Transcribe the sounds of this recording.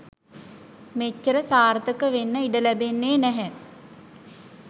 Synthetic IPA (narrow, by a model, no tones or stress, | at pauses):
met͡ʃːəɾəsaːɾt̪əkəʋenːəiɖəlæbenːeːnæɦɛ